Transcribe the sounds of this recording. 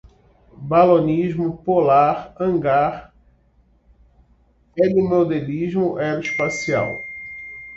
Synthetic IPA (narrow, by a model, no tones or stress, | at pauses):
balõniʒmʊpolaɾɐ̃ŋɡaɾ | elimod̪elizmʊʔɛɾɐiʃpasia̰w